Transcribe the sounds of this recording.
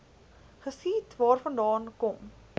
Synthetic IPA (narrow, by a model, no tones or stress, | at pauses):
χəskiːtvɑːrfɐndɑːnkɔm